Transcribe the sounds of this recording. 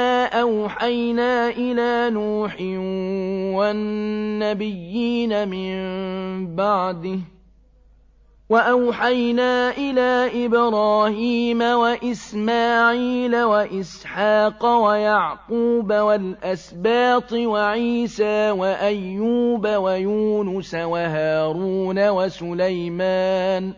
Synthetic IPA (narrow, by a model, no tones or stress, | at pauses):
aːʔawħajnaːʔɪlaːnuːħɪ | wanːabɪjːiːnamɪmbaʕd̪ɪh | waʔawħajnaːʔɪlaːʔɪbɾˤɑːhiːmawaʔɪsmaːʕiːlawaʔɪsħɑːqɑwajaʕquːbawalʔasbaːt̪ˤwaʕiːsaːwaʔajːuːbawajuːnʊsawaɦaːɾuːnawasʊlajmaːn